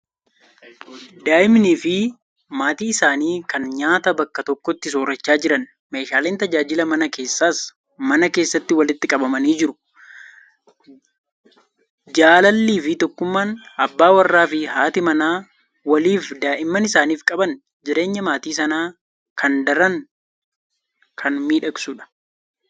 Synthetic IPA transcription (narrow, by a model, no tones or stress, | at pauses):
d̪aːʔɪmniːfɪ | maːt̪iːɪsaːniːkɐnɲaːt̪ɐbɐkːɐt̪ɔkːɔt̪ːɪs̬oːɾɐt͡ʃːaːd͡ʒɪɾɐn | me̞ːʃaːleːnt̪ɐd͡ʒaːd͡ʒɪlɐmɐnɐke̞ːsːaːs | mɐnɐke̞ːsːɐt̪ːɪwɐlɪt̪ːɪkʼɐbɐmɐniːd͡ʒɪɾʊ̥ | d͡ʒaːlɐlːiːfɪt̪ɔkːʊmːaːnɐbːaːwɐrːaːfɪhaːt̪ɪmɐnaː | wɐliːfd̪aːʔɪmːɐnɪsaːniːfkʼɐbɐn | d͡ʒɪɾe̞ːɲːɐmaːt̪iːs̬ɐnaː | kʰɐnd̪ɐɾɐn | kʰɐnmiːᶑɐksuᶑɐ̥